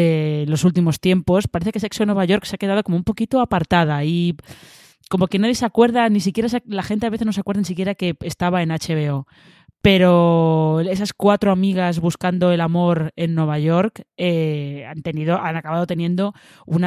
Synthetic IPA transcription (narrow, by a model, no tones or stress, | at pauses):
elo̞sult̪imo̞st̪je̞mpo̞spaɾe̞θe̞kese̞ksonwe̞βaʝo̞ɾkseake̞ð̞aðoko̞moumpo̞kit̪o̞apaɾt̪aðai | ko̞mo̞kenaðje̞sakwe̞ɾðanisikje̞ɾas̬alaxent̪eaβeθe̞znos̬akweðanisikje̞ɾake̞est̪aβae̞nat͡ʃe̞βe̞o̞ | pe̞ɾo̞ | e̞saskwat̪ɾo̞amiɣ̞azβuskand̪o̞e̞lamo̞ɾe̞nːwe̞βaʝo̞ɾkeant̪e̞niðo̞ʔanakaβað̞ot̪e̞njẽ̞nd̪o̞ | una